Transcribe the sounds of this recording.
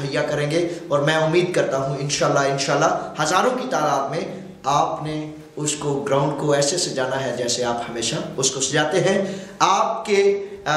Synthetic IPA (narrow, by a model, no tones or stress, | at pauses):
ɦəjːakɐɾẽːŋɡeɔːɾmɛ̃ʊmːiːd̪̚kɐɾt̪aɦũɪnʃaːlːaɪnʃaːlːaɦhɐzaːɾõkit̪aːɾaːt̪mẽ | aːpne | ʊskoɡɾãːʊ̃ɳɖkoɛːsesed͡ʒaːnaɦɛd͡ʒɛːseaːphɐmeːʃaʊskosd͡ʒaːt̪eɦɛ̃aːp̚ke